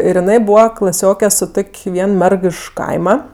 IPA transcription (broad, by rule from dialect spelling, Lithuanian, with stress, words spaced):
ɪr jɪˈnɐɪ ˈbuːʋɐ klˠɐˈsʲoːkʲɛ sʊ ˈtoːkʲ ˈʋʲiɛn ˈmʲɛrk ɪʃ ˈkɐɪmɐ